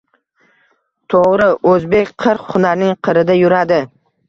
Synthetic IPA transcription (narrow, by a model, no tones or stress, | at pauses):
t̪ʰoʁɾɪʔɵzbe̞kʲqʰɨɾqhʊnaɾnɪŋqʰɨɾɪd̪ajʊɾad̪ɪ